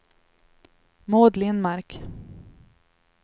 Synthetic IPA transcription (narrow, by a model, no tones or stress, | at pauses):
moːd̪lɪnmaɾk